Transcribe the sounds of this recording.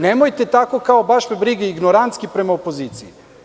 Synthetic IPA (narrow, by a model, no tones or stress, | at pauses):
nemojt̪et̪akokaobaʃmebɾiɡeiɡnoɾant̪skipɾe̞maopoziːt̪sii